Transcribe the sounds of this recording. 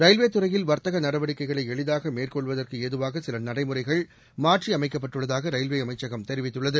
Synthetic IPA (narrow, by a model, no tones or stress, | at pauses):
ɾɐɪlʋeːt̪ːɯrɐjɪlʋɐɾt̪ɐɣɐnɐɽɐʋɐɽɪkːɐɪɣɐɭɐɪɛɭɪðaːɣɐmeːrkɔɭʋɐðɐrkɯeːðɯʋaːɣɐsɪlɐnɐɽɐɪmɯrɐɪɣɐɭ | maːʈriɐmɐɪkːɐpːɐʈːɯɭːɐðaːɣɐɾɐɪlʋeːɐmɐɪt͡ʃːɐɣɐmt̪ɛɾɪʋɪt̪ːɯɭːɐðɯ